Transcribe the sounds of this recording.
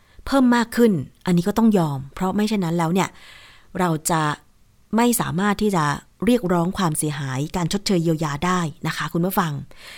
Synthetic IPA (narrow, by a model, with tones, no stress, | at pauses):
pʰɤː˥˩mːaː˥˩kʰːɯ˥˩nʔa˧ni˦kɔː˥˩t̪ɔ˥˩ŋjɔː˧mpʰɾɔ˦˥ma˥˩jt͡ɕʰa˥˩jna˦˥nlɛː˦˥wni˥˩ə | ɾa˧wt͡ɕa˨˩ | ma˥˩jsa̰ː˩˦maː˥˩t̪ʰːiː˥˩t͡ɕa˨˩ | ɾi˥˩ək̚ɾɔː˦˥ŋkʰwaː˧msi˨˩˦ɐɦaː˩˦jkaː˧nt͡ɕʰo˦˥t̪̚t͡ɕʰɤː˧jːiː˧wjaː˧daː˥˩jna˦˥kʰa˦˥kʰu˧nmɯ˥˩fa˧ŋ